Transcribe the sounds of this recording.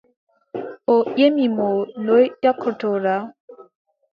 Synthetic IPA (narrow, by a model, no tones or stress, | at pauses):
ojemimolojtɔkʰːotʰoɾa